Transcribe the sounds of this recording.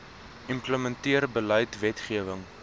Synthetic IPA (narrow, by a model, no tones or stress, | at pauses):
ʔimpləməntiəɾbəlœjtvɛtχiəvəŋ